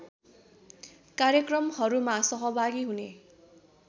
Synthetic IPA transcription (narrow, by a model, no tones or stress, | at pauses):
kaɾjʌkrʌmhʌɾumasʌɦʌbʱaɡiɦune